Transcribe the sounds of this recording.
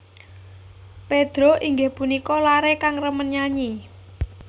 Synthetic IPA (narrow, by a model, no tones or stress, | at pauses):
ped̪̥ɾɔʔiŋɡehpunikɔlaɾekaŋrəmənɲaɲi